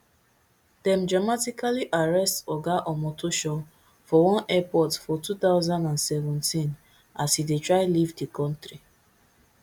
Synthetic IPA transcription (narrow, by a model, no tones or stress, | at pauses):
d̥ɛ̃mdɹamatikaliʔaɹɛstɔɡaʔɔ̃mɔtoʃɔ | fɔwɔ̃nɛpɔtfɔtutaʊzãndãnsɛvɔ̃ntĩn | asidetɹaɪlivdikɔ̃ntɹi